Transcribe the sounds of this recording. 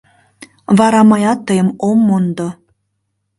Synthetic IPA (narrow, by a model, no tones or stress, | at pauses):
vɑɾɑmɑjɑt̪ːɤjə̆momːond̪o